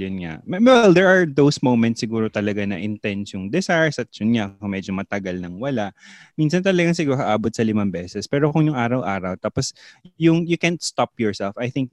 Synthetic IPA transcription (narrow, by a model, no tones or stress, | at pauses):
jʊnŋa̰ʔmɛwɛld̪ɛɹʔaɹd̪owsmowmɛ̃nsːɪɡuːɾot̪ɐlɐɡanɐ̰ʔɪnt̪ɛnsjʊŋd̪ɛsaɹsɐt̪̚jʊnŋakoŋmɛːd͡ʒomɐt̪ɐɡalnɐŋwɐlaʔmiːnsɐnt̪ɐlɐɡaŋsɪɡuːɾoɐʔaːbot̪̚sɐlɪmambɛːsɛspɛːɾokʊŋjʊŋʔaːɾɐwʔaːɾɐwt̪aːposjʊŋjʊkɛnt̪st̪apjɔɹsɛlfajθɪŋk̚